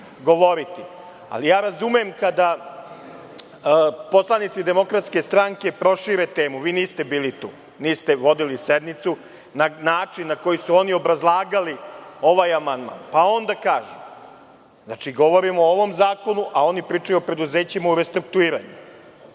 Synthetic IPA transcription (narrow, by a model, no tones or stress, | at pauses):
ɡo̞ʋo̞ɾit̪i | a̰lijaːɾazumemkad̪a | po̞slˠanit̪sid̪e̞mo̞kɾat̪ske̞st̪ɾaŋke̞pɾo̞ʃiɾet̪eːmuʋiːniːst̪e̞biːlit̪ṵː | niːst̪eʋo̞d̪ilised̪mit̪su | nanaːt͡ʂinːako̞jisuo̞nio̞bɾazlˠaːɡalio̞ʋajamand̪ma̰ːnpao̞nd̪akaːʒu | znat͡ʂiɡo̞ʋo̞ɾimooʋo̞mzaːko̞nuʔao̞nipɾiːt͡ʂajuopɾe̞d̪uzeːt͡ɕimauɾe̞st̪ɾuk̚t̪uiːɾa̰ɲṵ